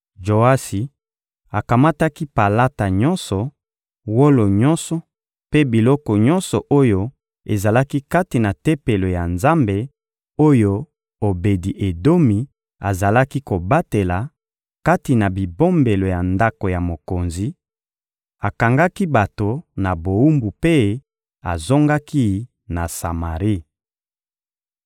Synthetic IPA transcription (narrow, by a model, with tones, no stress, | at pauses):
ʒo˨a˦si˨ | a˨ka˨ma˦ta˦ki˦pa˨la˦ta˨ɲɔ˦nsɔ˨ | wo˦lo˨ɲɔ̃˦nsɔ˨ | pe˦bi˨lɔ˦kɔ˨ɲɔ̃˦nsɔ˨ʔo˦jo˦ | e˨za˨la˦ki˦ka˦ti˨na˨te˦pe˨lo˨ja˨nza˦mbe˨ | o˦jo˦ | o˨be˨di˨ʔe˨do˦mi˨ | a˨za˨la˦ki˦ko˨ba˦te˨la˨ | ka˦ti˨na˨bi˨bo˦mbe˨lo˨ja˨nda˦ko˨ja˨mo˨ko˨nzi˨ | a˨ka˨ŋɡa˦ki˦ba˨to˨na˨bo˨u˦mbu˨pe˦ | a̰˨zo˦ŋɡa˦ki˦ | na˨sa˨ma˨ʁi˦